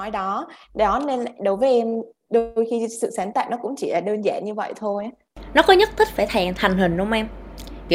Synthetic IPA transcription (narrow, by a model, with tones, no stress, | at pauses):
ɔ˨˦jɗɔ˨˦ɗɔ˨˦ne˧nla˧˨ɗo˨˦jvəː˨˦jʔɛ˧m | ɗo˧jxi˧sɨ̰˧˨saː˨˦nt̪a̰ː˧˨jnɔ˨˦kʊ̰˧˥ŋ͡mt͡ɕi˧˩laː˧˩ɗəː˧nza̰ː˧˨ɲɨ˧və̰˧˨jt̪ʰo˧j | nɔ˨˦kɔ˨˦ɲə˦˥t̚t̪ʰï˦˥k̚faː˧˩jt̪ʰɛː˨˩ŋt̪ʰa˨˩ŋ̟ɦï˨˩ŋ̟ɗʊ˨˧˥wŋ͡mʔɛ˧mki˧˩